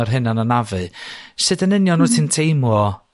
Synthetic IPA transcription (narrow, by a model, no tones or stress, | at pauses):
ɔrɦɨnananavɨsɨdənɪnjɔnuːtʰɨntʰejmɔ